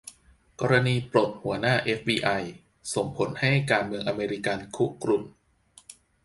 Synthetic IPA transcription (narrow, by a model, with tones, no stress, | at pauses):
kɔː˧ɾa˧niː˧pɾo˨˩t̪̚hu˩˦ɐnaː˥˩ʔe˦˥f̚biː˧ʔa˧j | so˨˩ŋpʰo˩˦nha˥˩jkaː˧nmɯ˧əŋʔa˧meː˧ɾi˦˥ka˧nkʰu˦˥kɾu˨˩m